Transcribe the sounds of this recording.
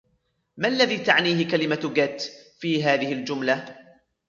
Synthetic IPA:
maʔalːaðiːt̪aʕniːhɪkalɪmaɡat̪ːfiːɦaːðɪhɪld͡ʒʊmla

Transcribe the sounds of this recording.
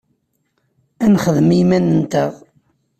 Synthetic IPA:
ænχəðəmimænənt̪əʁ

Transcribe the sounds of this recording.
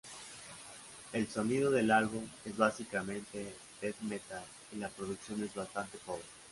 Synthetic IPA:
e̞lso̞nið̞o̞ðe̞lalβume̞zβasikamẽ̞nt̪e̞ | d̪eðmet̪al | ilapɾo̞ðuksjo̞ne̞zβast̪ant̪e̞poβɾe

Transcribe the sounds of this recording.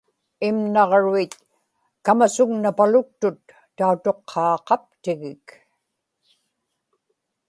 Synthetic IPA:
ɪmnɑʁɻuit̪̚ | kamasʊɣnapalʊk̚t̪ʊt̪ː | aut̪o̞qʰːɑːqɑp̚t̪ɪɣɪk

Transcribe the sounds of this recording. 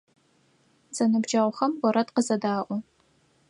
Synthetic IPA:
z̥ɐnɨbd͡ʒɐʁʷχɐmwʷɔɾɐtqəzɐdaːʔʷɔ

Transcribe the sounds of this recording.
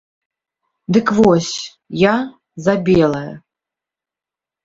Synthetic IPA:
d̪ɨkvɔsʲ | ja | zabʲɛlˠɐjɐ̰

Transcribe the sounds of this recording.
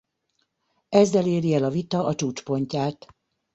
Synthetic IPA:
ɛzːɛleːɾiɛlɒvit̪ɒʔɒt͡ʃuːt͡ʃpo̞ɲcaːt̪

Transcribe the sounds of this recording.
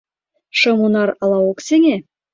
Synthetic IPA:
ʃɤmunɑɾɑlˠɑwokseŋe

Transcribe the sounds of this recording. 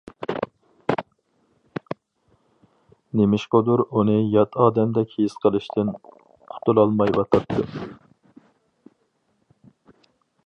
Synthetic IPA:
nemɪʃqod̪uɾunɨjɑt̪ʰɑːd̪ɛmd̪ɛkʲjisqʰəlˠɨʃt̪ʰɨn | qʰʊ̥t̪ʰulˠɑlˠmɑjwɑt̪ʰɑt̪ʰːɨ

